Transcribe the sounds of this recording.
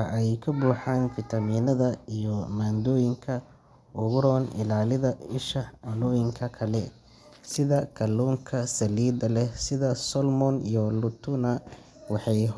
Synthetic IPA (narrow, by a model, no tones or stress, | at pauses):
ɐʔɛjkʰɐbuːħaːnfɪt̪ʰɐmiːnɐðɐijɔmaːnd̪ɔːjɪŋkʰɐ | ʔʊɣʊɾɔːnɪ̰laːlɪðɐɪʃɐʕʊnɔːjɪŋkʰɐkʰɐlɛ | sɪðɐkʰɐluːŋkʰɐsɐliːd̪ɐlɛsɪðɐsɔlmɔnijɔlʊt̪ʰʊnɐ | wɑħɑj